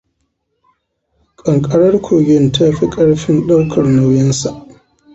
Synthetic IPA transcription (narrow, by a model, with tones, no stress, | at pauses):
kʼɐ˨ŋkʼɐ˦ɽɐ˦rkʷʰoː˨ɡʲɪ˦˨ntʰa˦ɸi˦kʼɐ˦ɽɸɪ˦nɗa˦wkʰɐ˨rna˦wjɛ˦nsa˨ʔ